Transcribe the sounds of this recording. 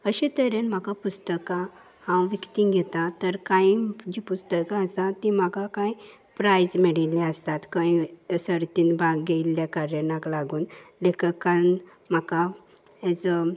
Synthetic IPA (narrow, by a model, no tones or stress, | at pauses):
əɕẽt̪əɾenm̤akapust̪əkã | hãwʋikt̪ĩŋɡʱɛt̪at̪əɾkaid͡ʑipust̪əkãəsãt̪im̤akakai | pɾajd͡zmɛɽilɛəst̪at̪kãjsəɾt̪iːnbʱaɡɡejljakaɾjənãklaɡuːnlekəkãn | m̤aka | ɛd͡zə